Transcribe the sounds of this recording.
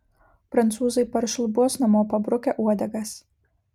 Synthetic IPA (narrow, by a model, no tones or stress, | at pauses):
pɾɐnt̪suːzɐjpɐɾʃlˠbuɔsnɐmoːpɐbɾʊkʲɛʔuɔd̪ʲɐɡɐs